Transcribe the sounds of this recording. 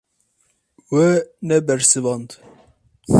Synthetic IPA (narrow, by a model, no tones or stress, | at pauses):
wɛnɛbɛɾsɨvɑnd̪